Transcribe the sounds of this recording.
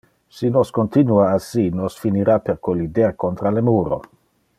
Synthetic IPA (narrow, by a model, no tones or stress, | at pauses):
sinoskont̪inuaːsinosfiniɾapeɾkolid̪eɾkont̪ɾalemuːɾo̰